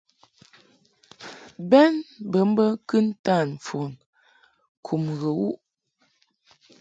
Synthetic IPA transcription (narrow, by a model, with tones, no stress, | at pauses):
bɛ˦nbə˨˦m̩˦bə˦kɨ˦n̩˦ta˦˨n˨fo˨n | kʰu˨mɣə˨wu˦ʔ